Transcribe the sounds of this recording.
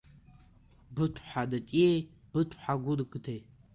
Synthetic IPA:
bɨtʷʰħadatʼiej | b̥ɨtʷʰħaɡʷʊrɨkʼɨtʰej

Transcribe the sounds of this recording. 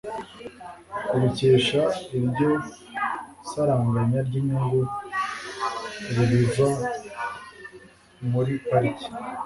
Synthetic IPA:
uɾuce̞ːʃaiɾɟo̞ | saɾaŋɡaɲaɾɟiɲiŋɡu | ɾiβiva | muɾipaɾici̥

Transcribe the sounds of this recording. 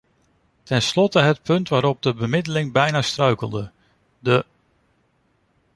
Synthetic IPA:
tʰɛnslɔtəɦət̚pʰɵntʋaːɾɔb̚dəbəmɪdəlɪŋbɛjnaːstrœɥkəlˠdə | də

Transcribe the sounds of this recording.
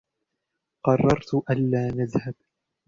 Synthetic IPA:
qɑrˤːɑɾˤt̪ʊʔanːaːnaðhab

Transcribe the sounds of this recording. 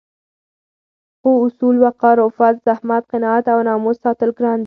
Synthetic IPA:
quʊsulwaqɑɾofat̪zahmat̪̚qɪnɑat̪awnɑmossɑt̪əlɡɾɑnd̪

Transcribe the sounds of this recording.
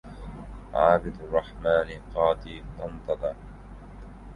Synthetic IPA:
ʕaːbɪd̪rˤːɑħmaːnɪqɑːt̪iːt̪ɑnt̪ˤɑd̪ɑ

